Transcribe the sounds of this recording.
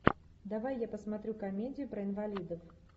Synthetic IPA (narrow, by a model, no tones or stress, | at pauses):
d̪avajːapɐsmat̪ɾʲukamʲed͡zʲɪjupɾɐinvalʲid̪ɐf